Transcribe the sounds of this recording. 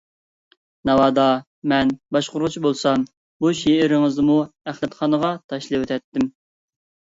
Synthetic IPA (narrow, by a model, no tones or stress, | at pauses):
nɑwɑːd̪ɑ | mɛnbɑʃqʊɾʊt͡ʃʰibolˠsɑm | buʃeɪɾɪŋɨzmuæχlˠɛt̪χɑnəʁɑt̪ʰɑʃlˠɨwøt̪ʰɛt̪ːɪm